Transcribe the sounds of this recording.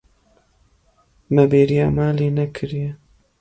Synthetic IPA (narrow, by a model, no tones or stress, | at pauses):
mɐbeːɾijaːmaːleːnɐkʰɨɾije